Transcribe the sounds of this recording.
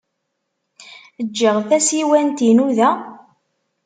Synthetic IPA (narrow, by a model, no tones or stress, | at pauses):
əd͡ʒːəʁθæsiwænt̪inuðæ